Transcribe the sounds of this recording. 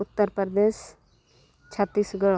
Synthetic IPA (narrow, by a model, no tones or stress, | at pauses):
ʊt̪ːəɾpɾəɾd̪eːʃ | t͡ʃʰət̪ːiːsɡəɭ